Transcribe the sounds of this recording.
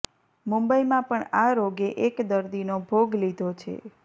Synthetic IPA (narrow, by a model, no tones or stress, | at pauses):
mumbəimãpəɳaɾoɡeʔekd̪əɾd̪inobʱoɡlid̪ʱot͡ʃʰḛ